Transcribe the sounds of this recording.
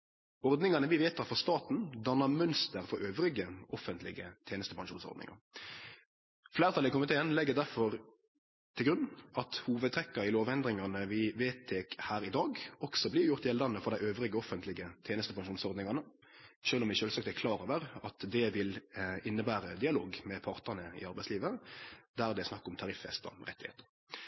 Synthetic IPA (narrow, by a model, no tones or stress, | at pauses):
ɔɾd̪nɪŋɑnəʋɪʋeːt̪ʰːɑːfɔʁst̪ɑːt̪n̩d̪ɑnɑmœnst̪əɾfɔɾøːʋɾɪɡəʔɔfənt̪ʰlɪɡət̪ʰjeːnəst̪əpɑŋʃuːnsɔ̰ʁd̪ɪ̰ŋɑ̰ | flæːʁt̪ɑlɪkʊmɪt̪ʰeːənlɛɡːəd̪æɾfɔɾ | t̪ʰɪlɡɾʉnɑt̪huːʋəd̪t̪ʰɾɛkːɑɪloːʋɛnd̪ʁɪŋɑnəʋɪʋeːt̪ʰːeːkhæːɾɪd̪ɑːɡɔksɔblɪɾjʊʁt̪jɛld̪ɑnəfɔʁɾd̪æɪøːʋʁɪɡəɔfənt̪lɪɡət̪ʰeːnəst̪əpɑŋʃuːnsɔʁd̪nɪŋɑnə | ʃøːlɔmɪʃøːlsɑk̚t̪ækʰlɑːɾøːʋəʁɑt̪d̪ɛʋɪlɪnːəbæːɾəd̪ɪɑloːɡmɛpʰɑʁt̪əʁnəɪ̰ɑɾbæɪsliːʋəd̪æɾd̪ɛsnɑkːɔmt̪ʰɑʁɪfːɛ̰st̪ə̰ʁɛ̰t̪ːɪhḛːt̪ə̥ɾ